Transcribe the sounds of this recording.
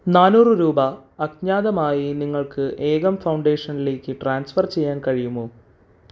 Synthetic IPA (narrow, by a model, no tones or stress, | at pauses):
naːnuːrɨɾuːbɐːɡɲaːd̪ɐmaːjiniŋːɐɭkɨʔeːɣɐmfɐwɳɖe̞ːʂɐnile̞ːkʲːɨʈraːnsfɐrt͡ɕe̞jːaːnkɐɻijumːoː